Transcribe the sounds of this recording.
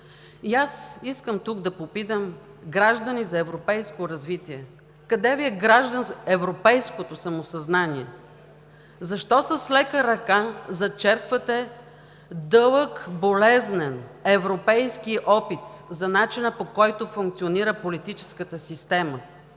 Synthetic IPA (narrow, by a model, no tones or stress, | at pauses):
iasiskəmt̪uɡd̪ɐpopit̪əm | ɡɾaʒd̪ɐnizɐɛvɾopɛjskoɾɐzvit̪iɛ | kɐd̪ɛviɛɡɾaʒd̪ənɛvɾopɛjskot̪osɐmosɐznaniɛ | zɐʃt̪ɔsɐslɛkəɾɐkazɐt͡ʃɛɾkvɐt̪ɛ | d̪ɤlˠəkbolɛznɛnɛvɾopɛjskiʔɔpit̪zɐnat͡ʃinəpokɔjt̪ofuŋk̚t̪sioniɾəpolit̪it͡ʃɛ̥skət̪əsist̪ɛmə